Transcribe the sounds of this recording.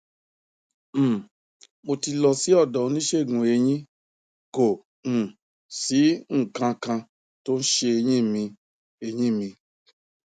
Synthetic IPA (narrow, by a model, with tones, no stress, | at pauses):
mo˧ti˧lɔ˧si˦ɔ˦˨dɔ˨˧˦nĩ˦ʃe˦˨ɡũ˨e˧ɲ̃ĩ˦ | ko˨ | ñ̩˨ | si˨˦ŋ̩˦˨kã˧kã˧ | to˦n̩˦ʃe˧e˧ɲĩ˦˨mĩ˧ | e˧ɲĩ˦˨mĩ˧